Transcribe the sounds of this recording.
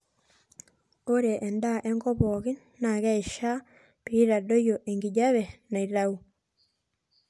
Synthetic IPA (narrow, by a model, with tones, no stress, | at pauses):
o˦ɾe˨ʔɛ˨nda˦˨ʔɛ˦ŋɡɔ˦pɔ˨ɣi˦ | na˨ɣɛ˦i˨ʃa˦ | pii˦ɾa˨do˦jo˨ʔe˨ŋɡi˨ɟa˦βɛ˨na˨i˨ɾa˦u˦